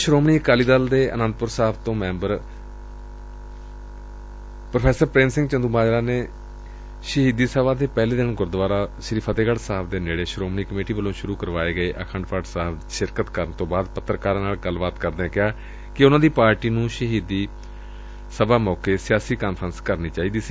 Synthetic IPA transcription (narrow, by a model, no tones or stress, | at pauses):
ʃɾoːmniːkaːliːd̪əld̪eːə̰nə̃nd̪̚pʊɾsaːpt̪õːmɛ̃ːmbəɾ | pɾopʰɛːsəɾpɾẽːnsɪ̃ŋɡt͡ʃənd̪uːmaːd͡ʒɾaːneː | ʃəɦiːd̪iːsəbaːd̪eːpɛːleːd̪ɪnɡʊɾd̪ʋaːɾaːʃəɾiːpʰat̪eːɡəɽsaːpd̪eːneːɽeːʃɾoːmniːkəmeːʈiːʋəlõːʃʊɾuːkəɾʋaːeːɡəeːʔəkʰə̃ɳɖpʰaːʈsaːp | ʃɪɾkət̪kəɾəɳt̪õːbaːd̪pət̪ːəɾkaːɾãːnaːlɡəlʋaːt̪kəɾd̪eẽkɪaː | kɪʊnãːd̪iːpaːɾʈiːnũːʃəɦiːd̪iː | səbaːmɔːkeːsɪjaːsiːkaːnpʰɾənskəɾniːt͡ʃaːiːd̪iːsiː